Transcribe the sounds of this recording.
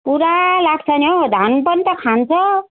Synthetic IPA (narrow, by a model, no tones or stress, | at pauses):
puɾalaɡ̚t͡sʰʌnjod̪ʱanũpʌnit̪ʌkʰant͡sʰʌ